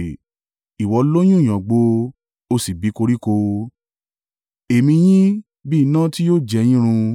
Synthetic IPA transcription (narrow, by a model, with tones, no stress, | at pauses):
i˨wɔ˧lo˦j̃ũ˦˨j̃ã˨ɡ͡bo˧ | o˧si˨bi˨˦ko˧ɾi˦ko˧ | e˨mĩ˧j̃ĩ˦ | bi˦˧nã˦ti˦jo˦˨d͡ʒɛ˨˧˦j̃ĩ˦ɾ̃ũ˧